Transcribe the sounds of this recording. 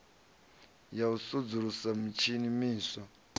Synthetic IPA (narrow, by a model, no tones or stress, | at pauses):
jausud͡zuɾusamit͡ʃʰinimiːsɔ